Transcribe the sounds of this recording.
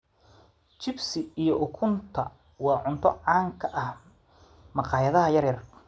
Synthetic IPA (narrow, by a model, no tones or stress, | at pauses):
t͡ʃɪbsɪijɔʔʊkʰʊnt̪ʰɐ | wɑːʕʊnt̪ʰɔ̰ʕɑːŋkʰɐʔɐh | mɑqɑːjɐðɐɦɐjɐɾjɐr